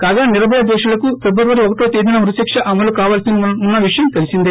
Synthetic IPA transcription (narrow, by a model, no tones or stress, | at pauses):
kaːɡaːniɾɐbʱɐjɐd̪ɛːʂulɐkufebɾɐɾʋɐɾiɔkɐʈoːt̪eːd̪inɐuɾuseːkʂɐʔɐmɐlukaːʋaːlsiniunːɐʋiʂɐjɐmk̪ɐlisind̪e